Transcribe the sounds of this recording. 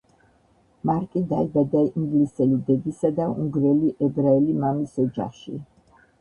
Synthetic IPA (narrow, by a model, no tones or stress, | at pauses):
maɾkʼid̪aɛbad̪aiŋɡlisɛlid̪ɛɡ̪isad̪auŋɡɾɛliʔɛbɾaɛlimamisɔd͡ʒa̰χʃḭ